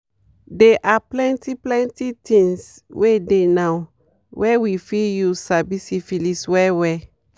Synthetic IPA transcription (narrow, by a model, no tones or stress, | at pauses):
dɛʔaplɛ̃ntiplɛ̃ntitĩŋs | wedenaw | wʔɛwifijusabisifiliswɛwɛ